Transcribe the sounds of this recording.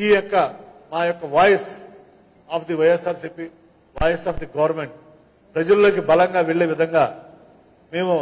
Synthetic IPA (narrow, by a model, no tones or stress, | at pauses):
iːjɔkːɐmaːjɔkːɐʋaːjɐs | aːpʰd̪iʋɐjesaːɾsiːpiː | ʋaːjɐsaːpd̪iɡɐʋɐɾmeɳʈ̚ | pɾɐd͡ʒɐllo̞ːkibɐlɐŋɡaːʋeɭːeːʋid̪ʱɐŋɡaː | meːmu